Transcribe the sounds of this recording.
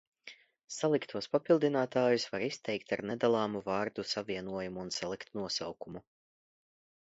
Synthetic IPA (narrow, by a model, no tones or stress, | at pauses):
salˠikt̪ʰuɔspapilˠd̪inaːt̪aːjusvaɾist̪ɛjkt̪aɾnɛd̪alˠɑːmuvaːɾd̪usaviɛnuɔjumuːnsalˠikt̪nuɔsawkumu